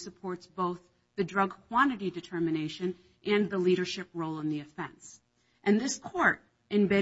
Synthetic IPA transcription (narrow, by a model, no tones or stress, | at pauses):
səpʰɔɹtsb̥oʊθ | ðɨdɹʌɡkʰw̥ɑ̃ñɨɾidɨtʰɜ˞mɨneɪʃɨ̃n | ʔɨ̃nðəliɾə˞ʃɪp̚ɹoʊlˠə̃nðiɨfɛ̰̃ns | ʔɨ̃nðɪskʰɔɹɾ | ɨ̃nbɛ